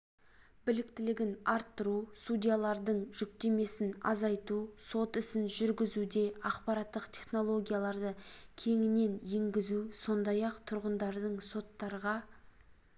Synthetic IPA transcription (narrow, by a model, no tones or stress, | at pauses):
bɪlɪkt̪ɪlɪɡʲɪnɑɾt̪ːəɾusud̪ʲijalˠɑɾd̪əɴʒʏk̚t̪e̞me̞sɪnɑ̰zɑjt̪uso̞t̪ɪsɪnʒʏɾɡʲɪzud̪e̞ɑqpɑɾaɑt̪ːəqt̪ʲʰe̞χno̞lˠo̞ɡʲijalˠɑɾd̪əkʲʰe̞ŋɪne̞nje̞ŋɡʲɪzuso̞nd̪ɑjɑqt̪ʰʊɾʁənd̪ɑɾd̪əɴso̞t̪ːɑɾʁɑ